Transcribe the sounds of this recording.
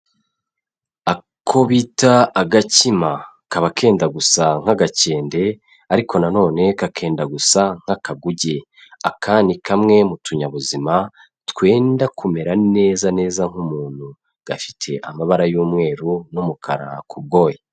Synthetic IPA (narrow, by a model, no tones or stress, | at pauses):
a | kʰo̞βiːtaːɡacima | kaβakʰe̞ːndaɡusaŋ̥haɡace̞ːnde̞ | aɾikʰo̞nano̞ːne̞kakʰe̞ːndaɡusaŋ̥akaɡuɟe̞ | akʰaːnikʰamŋe̞mutʰuɲaβuzima | tkwe̞ːndakume̞ɾane̞ːzane̞ːzaŋ̥humuːn̥hu | ɡ̥afi̥tʰe̞ʔa̰maβaɾajuːmŋe̞ːɾunumukʰaɾa̰kʰub̚ɡo̞ːje